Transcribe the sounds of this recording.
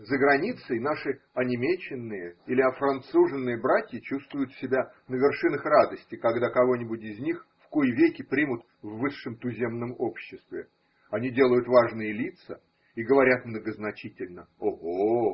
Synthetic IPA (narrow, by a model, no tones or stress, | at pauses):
zəɡɾɐnʲit̪səjnaʂɨ | ɐnʲɪmʲet͡ɕːɪnːɨjəilʲɪɐfɾɐnt̪suʐɨnːɨjəbɾatʲjət͡ɕust̪vʊjʊt̪sʲɪbʲa | nəvʲɪrʂɨnəxrad̪əsʲtʲɪkɐɡd̪akɐvo̞nʲɪbʊtʲɪzʲnʲixfkujvʲekʲɪpɾʲimʊt̪ | vːɨʂːɨmt̪ʊzʲe̞mnəmo̞pɕːɪst̪vʲɪ | ɐnʲidʲe̞lˠəjʊt̪vaʐnɨjəlʲit̪sə | iɡəvɐɾʲat̪mnəɡəznɐt͡ɕitʲɪlʲnə | oɦo